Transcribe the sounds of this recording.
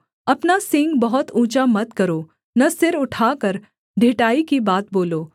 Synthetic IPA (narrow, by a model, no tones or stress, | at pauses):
ɐpnasɪ̃ŋɡbɐɦʊt̪ũːt͡ʃamɐt̪kɐɾoː | nɐsɪɾʊʈʰaːkəɾ | ɖʱɪʈaːikibaːt̪̚boːloː